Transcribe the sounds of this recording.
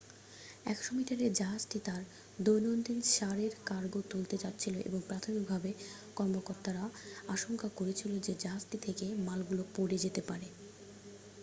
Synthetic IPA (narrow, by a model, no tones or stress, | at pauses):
ɛkʃomiʈaɾeɾd͡ʑaɦad͡ʑʈit̪aɾ | d̪ojnond̪inʃaɾeɾkaɾɡot̪ult̪et͡ɕatːɕʰiloʔḛboŋpɾat̪ʰomik̚bʱabe | kɔɾmokoɾt̪aɾaaʃoŋkakoɾet͡ɕʰilod͡ʑed͡ʑaɦad͡ʑʈit̪ʰekemalɡulopoɽed͡ʑet̪epaɾe